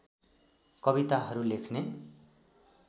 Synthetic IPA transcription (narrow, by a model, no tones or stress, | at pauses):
kʌbit̪aɦʌɾulekʰne